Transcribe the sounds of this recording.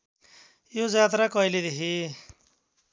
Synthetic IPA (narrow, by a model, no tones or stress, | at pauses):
jod͡zad̪ɾakʌjled̪eɦi